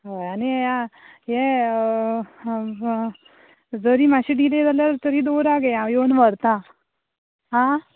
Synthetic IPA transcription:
ɦaanijãjɛ | d͡zəɾiːmaɕiɖiled͡zaljatɾt̪əɾiːd̪oɾaɡeajoɳʋəɾt̪ã | ɦã

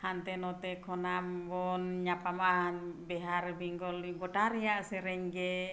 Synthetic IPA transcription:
hant̪ɛnɔt̪ɛkʰɔnambɔnɲapamabɛɦaɾbiŋɡɔlɡɔʈaɾijaʔsɛɾɛɲɡɛ

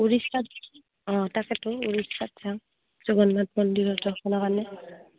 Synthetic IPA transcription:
uɹistat | ɔ̃takɛtʊuɹisatsa | z̥ɔɡɔnːat̚mɔndiɹɔtɔkʰɔnakanɛ

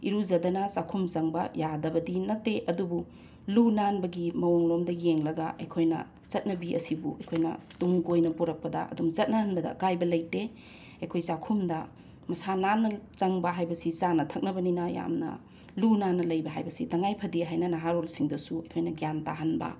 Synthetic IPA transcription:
ḭɾuzɐdɐnɐsakʰumzɐŋbɐjadɐbɐdinɐtːeʔɐdubu | lunanbɐɡimɐwoŋlomdɐjeŋlɐɡɐʔɐ̰jkʰojnɐ̰ | zɐt̚nɐbiʔɐ̰sibuɐjkʰojnɐ̰tuŋɡojnɐpuɾɐk̚pɐdɐ̰ʔɐ̰dumzɐt̚nɐhɐnbɐdɐ̰kajbɐlɐjte | ɐjkʰojsakʰumdɐ | mɐsananːɐt͡ʃɐŋbɐɦajbɐsit͡ʃanɐtʰɐk̚nɐbɐninɐja̰mnɐ̰ | lunanːɐlɐjbɐɦajbɐsitɐŋajpʰɐdiɦajnɐnɐɦaɾolsiŋdɐsuɐjkʰojnɐɡjantaɦɐnbɐ̰

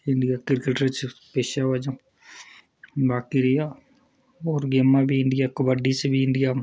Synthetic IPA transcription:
ɪɳɖijakɪɾkeʈəɾt͡ʃpeːʃaʋad͡ʒa | baːkiɾija | ɔːɾɡeːmːabʱiɪɳɖijakəbəɖisebʱiɪɳɖija

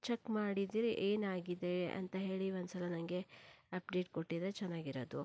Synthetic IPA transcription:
t͡ʃekmaːɽid̪iːɾiʔeːnaːɡid̪e̞ɐ̰nt̪ɐɦe̞ːɭiond̪usɐlɐnɐŋɡe̞ɐp̚ɖeːʈ̚koʈːid̪et͡ʃɛnːaːɡiɾod̪u

